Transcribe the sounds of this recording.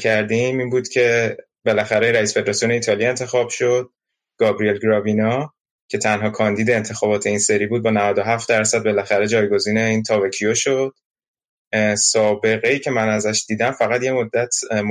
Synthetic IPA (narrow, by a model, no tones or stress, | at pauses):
kʰæɾd̪imiːnbuːd̪̥cʰe̞ | be̞læxæɾeiɾæisfeeɾɒsione̞iːt̪ʰɒːlie̞nt̪ʰe̞xɒːb̥ʃo̞d̪̥̚ | ɡ̥ɒːbɾie̞lɡɾɒvinɒ | cʰe̞t̪ʰænɦɒːkʰɒːnd̪iːd̪e̞ːnt̪ʰe̞xɒːbɒːt̪ʰe̞inse̞ɾiːbuːd̪̚bɒːnævæd̪o̞ɦæft̪̚d̪æɾsæd̪̚be̞læxæɾe̞d͡ʒɒːjɡo̞ziːne̞iːnt̪ʰɒːvæcʰioʃo̞d̪̥̚ | sɒːbe̞ɣe̞iːcʰe̞mænæzæʃd̪iːd̪æmfæɣæt̪je̞mod̪ːæt̪ʰm